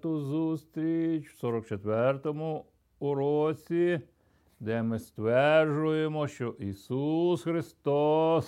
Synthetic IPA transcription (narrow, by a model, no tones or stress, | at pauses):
t̪ʊzust̪ɾʲit͡ʃw̥sɔɾɔk̚t͡ʃet̪ʋɛrt̪ɔmʊ | ɾɔt͡sʲi | d̪ɛmɪst̪ʋɛrʒʊjemɔʃt͡ʃɔʔisusxɾɪst̪ɔs